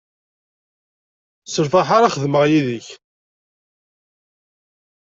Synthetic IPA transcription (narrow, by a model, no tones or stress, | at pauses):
səɾfaħaɾaχəðməʁjiðəç